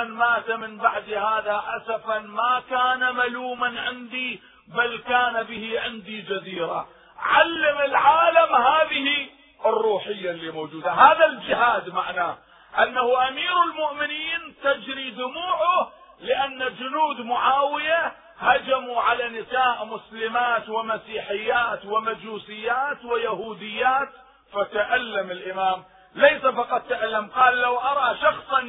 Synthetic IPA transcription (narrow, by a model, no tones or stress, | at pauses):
nmaːt̪amɪnbaʕd̪ihaːðaʔasafanmakaːnamaluːmanʕɪnd̪i | balkaːnabɪhiʕɪnd̪id͡ʒaziːɾa̰ | ʕalːamɪlʕaːlamhaːðɪhi | ʔɪrˤːuːħɪjːalːiːmowːd͡ʒuːd̪aɦaːðald͡ʒɪɦaːd̪maʕnaː | ʔanːahʊʔamiːɾɪlmʊʔmɪniːnt̪ad͡ʒɾid̪ʊmuːʕʊ | lɪʔanːad͡ʒʊnuːd̪mʊʕaːwɪja | had͡ʒamuʕalanɪsaːʔmʊslɪmaːt̪wɪmasiːħɪjːaːt̪wɪmad͡ʒuːsɪjːaːt̪wɪjahuːd̪ɪjːaːt̪ | fat̪aʔalːamɪlʔɪmaːm | lejsafɑqɑt̪ˤːaʔalːamqɑːlːawʔɑɾˤɑʃɑxsˤ